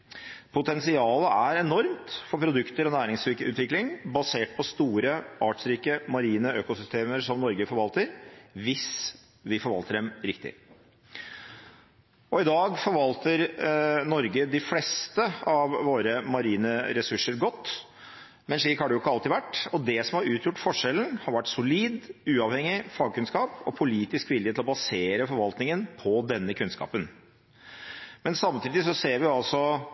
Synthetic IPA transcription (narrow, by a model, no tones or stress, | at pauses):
pʰʊt̪ɛnsɪɑːləæɾɛnɔɾmt̪fɔɾpʰɾʊd̪ʉkt̪əɾɔnæːɾɪŋsɪkʉːt̪ʋɪklɪŋbɑseːʈ̚pʰɔst̪uːɾəʔɑːʈsɾiːkəmɑɾiːnəøːkʊsʏst̪ʰeːməʂɔmnɔɾɡəfɔɾʋɑlt̪əɾʋɪs | ʋɪfɔɾʋɑ̰lt̪əɖɛmɾɪkt̪ɪ̰ | ɔɪd̪ɑːɡfɔɾʋɑlt̪əɾnɔɾɡəd̪ɪflɛst̪əɑʋʋoːɾəmɑɾiːnəɾɛsʉʂːəɾɡɔt̪ː | mɛnʂɭiːkhɑɖɛjʊɪkːəɑlt̪ɪʋæʈːɔd̪ɛsɔmhɑɾʉːt̪ʰjʊʈːfɔʂɛln̩hɑɾʋæʈːsʊliːd̪ʉːɑʋhɛŋːɪfɑːɡ̚kʰʉnskɑːpɔpʰʊliːt̪ɪskʋɪlːɪət̪lɔbɑseːɾəfɔɾʋɑlt̪nɪŋənpʰɔd̪ɛnːəkʰʉnskɑ̰ːpən | mɛnsɑmt̪ʰiːd̪ɪs̬ɔseːɾʋɪɑlsɔ